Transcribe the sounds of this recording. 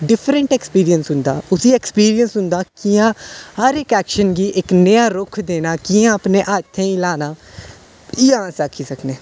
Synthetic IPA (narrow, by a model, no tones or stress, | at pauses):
ɖɪpʰɾəɳʈɛkspiːɾiənsɦʊ̃nd̪aːʊsiːekspiːɾiənsɦʊ̃nd̪aːkiːãːhəɾekɛːkʃənɡiːʔɪknəjãːɾʊkʰd̪eːnaːkiːãːəpneːʔaːt̪ʰːẽːĩːlaːnaː | ɪjãːsaːkʰiːsəkʰneː